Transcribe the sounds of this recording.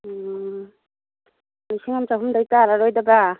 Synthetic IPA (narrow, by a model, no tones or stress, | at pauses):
nisiŋamt͡ʃaɦumdajtaːɾaɾojdaba